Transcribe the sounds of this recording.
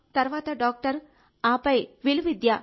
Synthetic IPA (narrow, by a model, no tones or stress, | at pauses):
t̪ɐɾʋaːt̪ɐɖaːk̚ʈɐɾ | aːpɐjʋilʋid̪jaː